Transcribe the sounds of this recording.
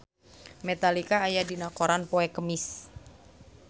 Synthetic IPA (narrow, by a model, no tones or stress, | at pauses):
met̪alikaːjadinakoɾanpoɛkəmɪs